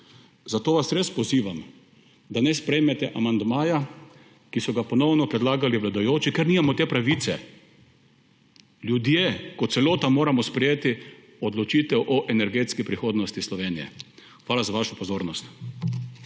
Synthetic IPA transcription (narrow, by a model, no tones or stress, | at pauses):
zat̪oːʋasɾespɔziːʋam | d̪anɛspɾɛjmɛt̪ɛʔamand̪maːja | kisɔɡapɔnɔwnɔpɾɛd̪laːɡaliʋlad̪ajoːt͡ʃikeɾniːmamɔt̪eːpɾaʋit̪sɛ | lʲjud̪jekɔt̪sɛloːt̪amoːɾamɔspɾɛjeːt̪i | ɔd̪lɔt͡ʃiːt̪ɛwʔɔʔɛnɛɾɡeːt̪skipɾixoːd̪nɔst̪islɔʋeːnijɛ̰ | xʋaːlazaʋaːʃɔpɔzoːɾnɔst̪